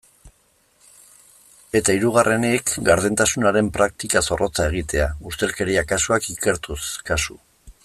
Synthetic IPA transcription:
e̞t̪aiɾuɣ̞arʔe̞nekɡaɾðe̞nt̪asunaɾe̞mpɾak̚t̪ikaso̞rʔo̞t͡sae̞ɣ̞it̪e̞aust̪e̞lke̞ɾiakasuakike̞ɾt̪uskasu

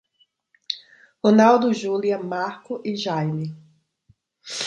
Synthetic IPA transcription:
honawd̪ʊʒuliɐmaɾkʊʔɪʒajmi

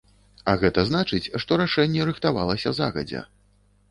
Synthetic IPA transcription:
ɐɣɛt̪ɐzn̪at͡ʂɨt͡sʲʂt̪ɔɾaʂɛnʲːɛɾɨxt̪avalˠɐsʲɐza̰ɣɐ̰d͡zʲɛ̰

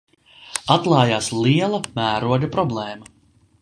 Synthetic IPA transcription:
at̪lˠɑːjaːslˠiɛlˠɐmæːɾuɔɡapɾɔblˠɛːmɐ

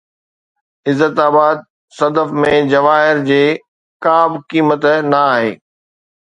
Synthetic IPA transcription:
ɪzːət̪aːbaːd̪̚ | sɐd̪əfmẽd͡ʑɐʋaːɦɪɾd͡ʑeː | kaːbkiːmət̪nɐaːɦeː

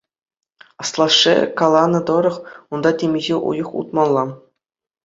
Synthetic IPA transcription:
ɑslˠɑʂːḛkɑlˠɑnɤ̆d̪ŏɾɤ̆χund̪ɑtʲemʲiʑeʔṵjɤ̆χṵt̪mɑnˠlˠɑ

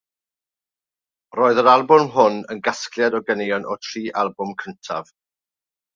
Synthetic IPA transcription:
roːɨðəɾalˠbʊmɦʊnə̰nɡasklˠjadɔɡənejɔnʔɔtʰriːʔalˠbʊmkʰəntʰa̰v̥

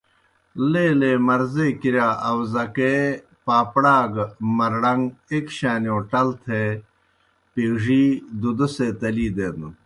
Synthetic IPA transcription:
leːleːmɐɾzeːkiɾaːʔɐwzɐke | paːpɽaːɡmɐɾɽɐŋɡekɕaːnioʈɐlt̪ʰe | piːʐiːd̪ud̪uset̪ɐliːd̪eːd̪u

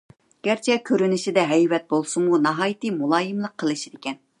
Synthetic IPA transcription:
ɡ̥ʲæɾt͡ʃʰɛkʲʰøɾynɪʃid̪ɛɦɛjvɛt̪̚bolˠsumunɑɦɑːjit̪ɨmulˠɑːjɨmlˠəqʰːəlˠɨʃid̪ɪkʲɛn

